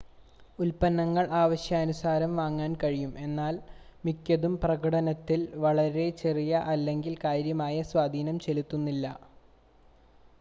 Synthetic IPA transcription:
ulpɐnːɐŋːɐɭaːʋɐɕjɐːnusaːɾɐmʋaːŋːaːnkɐɻijume̞nːaːlmikʲːɐðumprɐɣɐɽɐnɐt̪ːilʋɐɭɐɾe̞t͡ɕe̞rijɐʔɐlːe̞ŋɡilkaːjɾjɐmaːjɐswaːd̪ʱiːnɐmt͡ɕe̞lut̪ːunːilːɐ

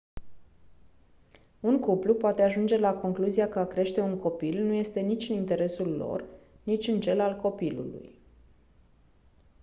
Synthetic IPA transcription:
unkuplupoat̪e̞aʒund͡ʒe̞lako̞ŋkluzijakəakɾe̞ʃt̪e̞unko̞pilnuje̞st̪e̞nit͡ʃʲɨnint̪e̞ɾe̞sulːo̞̰r | nit͡ʃʲɨnt͡ʃe̞lalko̞pilṵlṵj

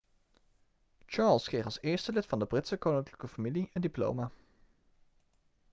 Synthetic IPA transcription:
t͡ʃɑɹlˠskrejχɑlˠsɪːɹstəlɪtfɑndəbrɪtsəkownɪŋkləkəfamiliəndiplo̰wma

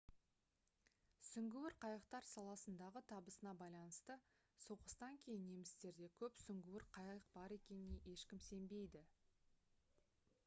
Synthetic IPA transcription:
sʏŋɡʲɪwɪɾqʰɑjəqt̪ɑɾsɑlˠɑsənd̪ɑʁət̪ʰɑbəsənɑbɑjlˠɑnəst̪ə | soqə̥st̪ɑŋkʲʰe̞jɪnːe̞mɪst̪e̞ɾd̪e̞kʲʰɵpsʏŋɡʲɪwɪɾqʰɑjəq̚bɑɾe̞kʲe̞nɪne̞ʔe̞ʃkʲɪmse̞mbe̞jd̪ɪ

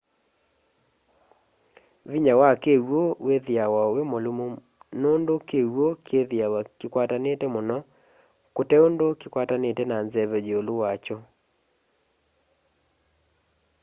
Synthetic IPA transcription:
βiɲawakewoweðiawawemolomo | nondokewokeðjawakekwatanetɛmonɔ | kotɛondokikwatanetɛnanzɛβɛd͡ʒeolowat͡ʃo

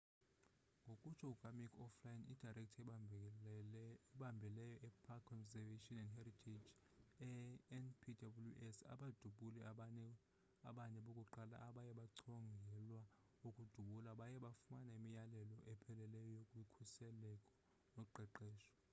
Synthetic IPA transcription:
ŋɡʱokʼut͡ʃʰɔuɡ̥ʱamikʰɔflajinid̥ʱarɛk̚tʰɛ | ɓambʱɛlɛjɔʔɛpʰakʰːɔnzɛveʃʼɔnɛndhɛritʰed͡ʒ | ɛɛnpʰidabuljṵʔɛsa̰ɓad̥ʱuɓulɛ | aɓaɲɛɓokʼuǃala̰ʔːɓajɛɓaǀʰɔŋɡʱɛlwa | ukʼud̥ʱuɓulaɓajɛɓafumanemijalɛlɔʔɛpʰɛlɛlɛjɔjokʼuikʰusɛlɛkʼɔ̥ | nɔǃɛǃɛːʃɔ̥

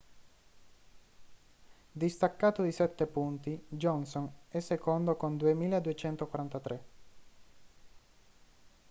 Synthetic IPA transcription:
d̪ist̪akːaːt̪od̪isɛt̪ːepunt̪id͡ʒɔnsonɛsːekond̪okond̪uemiːlaed̪uet͡ʃɛnt̪okwaɾant̪at̪ɾʔe

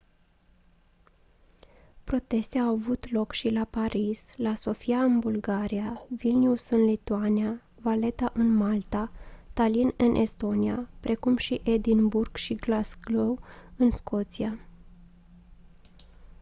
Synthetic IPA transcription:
pɾo̞t̪e̞st̪eawavut̪lo̞kʃilapaɾislaso̞fiaɨnbulɡaɾiavilniusɨnlit̪uania | vale̞t̪aʔɨnmalt̪at̪alinɨnʔḛst̪o̞niapɾʔe̞kumʃiʔed̪inburɡ̥ʃiɡlasɡlowɨnskʰo̞t̪sia

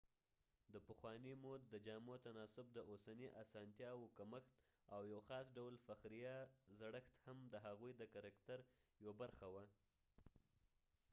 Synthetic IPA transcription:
d̪əpəxwɑnimod̪d̪əd͡ʒɑmot̪anɑsʊb̚d̪əʔosaniʔasɑnt̪jɑwokaməxt̪ | awjawxɑsɖawlfaxɾijɑzaɽəxt̪hamd̪əɦaɣujd̪əkaɾɑkt̪aɾjwabaɾxawa

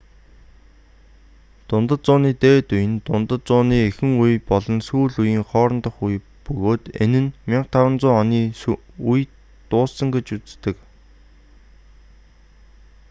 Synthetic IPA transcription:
t̪ʊnt̪ə̆t͡sʊːniːt̪eːt̪ujɘ̆nt̪ʊnt̪ə̆t͡sʊːniːexɘ̆ŋujpɔɮɞ̆nsuːɮujiːŋχɔːɾɞ̆nt̪ə̆χuj | pɵɣoːt̪ḛnɘ̆nmʲiɴq̚t̪ʰawə̆nt͡sʊːɔniː | uj | t̪ʊːssə̆ŋɡet͡ɕut͡st̪ɘ̆k

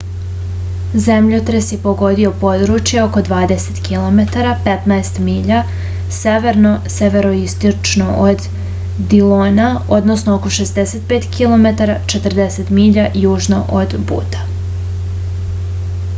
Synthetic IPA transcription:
zemʎot̪ɾesjepo̞ɡo̞d̪io̞po̞d̪ɾut͡ʃjeo̞ko̞d̪ʋaːd̪e̞set̪kilˠo̞me̞t̪aɾapet̪naest̪miːʎa | seʋe̞ɾno̞seʋe̞ɾo̞ist̪ot͡ʃnoʔod̪ː | iloːnao̞d̪nosnooko̞ʃezd̪eset̪̚peːt̪kʰilˠo̞me̞t̪aɾat͡ʃe̞t̪rd̪eset̪miːʎajuːʒno̞ʔod̪bṵːt̪ḁ

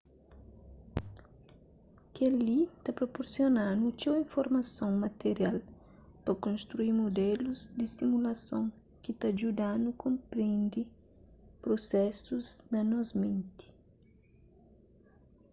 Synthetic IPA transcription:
kelit̪ɐpɾopoɾsjonanut͡ʃ̪ewĩɱfoɾmɐsõŋmɐt̪eɾjal | pɐkõst̪ɾuiɾmod̪ɛluzd̪isimulɐsõŋ | kɪt̪aʒud̪ãnukõmpɾẽnd̪i | pɾosɛsuznɐnɔzmẽnt̪i̥

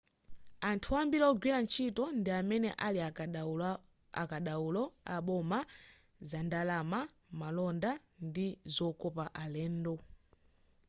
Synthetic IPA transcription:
antʰuambiɾaɔɡwiɾant͡ʃʰitɔndiamɛnɛ̰ʔalia | a̰kaɗaulɔa̰ɓɔma | zandalama | malɔnda | ndizɔkɔpaʔalɛːndɔ

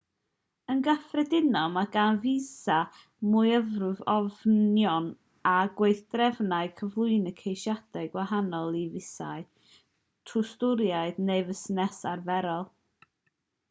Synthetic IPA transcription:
ənɡafrɛdɪnɔmaɡanvisa | mʊɨəvrʊvɔvjɔn | aɡwejθd̥rɛvnaɨkʰəvlˠʊɨnəkʰejʃjad̥aɡwaɦanɔlˠivɪsa̰ɨ | tʰʊstʊɾjaɨdnevəsnɛsarvɛɾɔlˠ

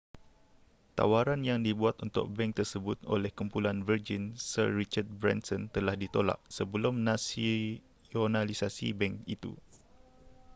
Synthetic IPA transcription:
t̪a̰waɾanjaŋdibuat̪unt̪ʊ̰k̚bɛŋk̚t̪ərsəbʊt̪o̰lɛhkumpulanvərd͡ʒinsərːit͡ʃart̪̚bɾɛ̰nsɔnt̪əlahdit̪ola̰ʔ̚səbəlumnasi | onalisasḭbɛŋkit̪ṵ

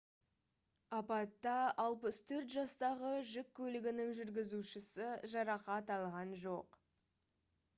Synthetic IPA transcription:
ɑpɑt̪ːɑɑlˠpəst̪ʰɵɾt̪ʒɑst̪ɑʁəʒɪkʲʰːɵlɪɡʲɪnɪŋʒʏɾɡʲɪzuʃɪsɪʒɑɾɑqɑt̪ɑlˠʁɑnʒo̞q

